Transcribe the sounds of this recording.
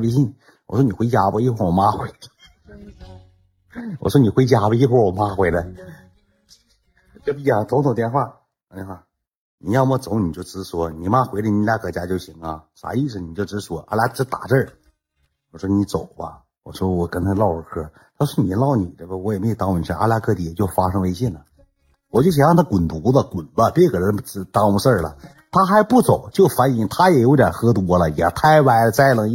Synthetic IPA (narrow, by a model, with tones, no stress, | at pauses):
pɕ̬i˥˩ | wɔ̰˨˩ʂwɔ˥ni˨˩xwe˧˥ja˧˥bə˧i˥xwo˥˩wɔ˨˩ma˧˥xwe˧˥˦ɪə˧ | wɔ̰˨˩ʂwɔ˥ni˨˩xwe˧˥ɪt͡ɕja˧˥bə˧i˧˥xo˥˩wɔ˨˩ma˦˥xwe˧˥ɪlə˧ | ʈ͡ʂpi˧˥˩ja˧˩t̪ʰʊ˧˥ŋt̪ʰŋt̪jɛ˥˧nxwa˥˩˧ | ni˧˥xwa˥˩ | ni˨˩jɑ˥˧ʊmə˥˩t͡so˨˧˥ni˨˩t͡ɕjo˥˩ʊʈ͡ʂɻɹ̩˧˥swɔ˧˥ni˨˩ma˥xwe˧˥ɪlə˧ni˧˥lja˧˥kɤ˧˩t͡ɕja˧˥t͡ɕjo˥˩ʊɕi˧˥˦ŋə˧ʂa̰˨˧˥i˥˩ʂ̩˧˩ni˨˩t͡ɕjo˥˩ʊʈ͡ʂɻ̩˧˥swɔ˧˥ʔa̰˧˩la˧˥ʈ͡ʂɻ̩˥t̪a̰˨˩ʈ͡ʂə˥˩ | wɔ˨˩ʂwɔ˥ni˧˥t͡so˨˩ʊbɐ̰˧ | wɔ̰˨˩ʂwɔ˥wɔ˨˩kə˥nt̪ʰa˧˥lɑ˥˧ʊə˧˥kʰɤ˥ | t̪ʰa˥ʂwɔ˥ni˨˩˦lɑ˥˩ʊni˨˩t̪ə˥˩ə˧˩wɔ˧˥jme˥˧˨t̪ɑ˧˥ŋ˧ni˨˩ʂə˥˧ʔa̰˥la˧˥kʰɤ˥˧t̪i˧˥˩ɛ˨˩t͡ɕjo˥˩ʊfa˥ʂɤ˥ŋ˧e˥ɪɕɛ˥˩nlə˩ | wɔ˨˩t͡ɕjo˥˩ʊɕ̬jɑ˥˧t̪ʰa˥kwʊ˨˩nt̪u˧˥d̪ə˧kʊ˨˩nbə˧pɛ˥˧ɪkə˨˩ɻə˧˥n̩˧˥t̪ɑ˧˥u˧˦ʂə˥˩lə̰˩ | t̪ʰa˥xa˧˥ɪpu˥˩t͡so˨˩ʊt͡ɕjo˥˩ʊfa˧˥ni˧˥ŋt̪ʰa˥jɛ˨˩jʊt̪ja̰˨˩xɤ˥t̪wɔ˧˥lə˨jɛ̰˨˩t̪ʰa˥˩ɪwa˧˥˩ɪlə˧t͡sa˥˩ɪlɤ˧˥ŋ˥